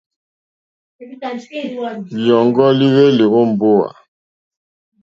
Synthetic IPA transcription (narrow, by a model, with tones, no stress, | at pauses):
jɔ˨ŋɡɔ˦li˦we˦li˨ɣo˦m̩˨bo˦wa̰˨